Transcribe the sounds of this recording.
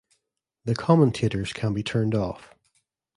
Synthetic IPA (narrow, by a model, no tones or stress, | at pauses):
ðəkʰɑmə̃ntʰeʔə˞z̥kʰə̃nbitʰɜ̃˞ndɔ̰f